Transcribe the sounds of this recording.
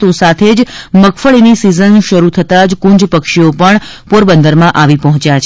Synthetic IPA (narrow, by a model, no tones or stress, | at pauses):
t̪osat̪ʰed͡ʒməkʰfəɭinisizənʃəɾut̪ʰət̪ad͡ʒkũɲd͡ʒpəkʃiopəɳpoɾbənd̪əɾmãʔaʋipɔɦɔ̃t͡ʃjat͡ʃʰ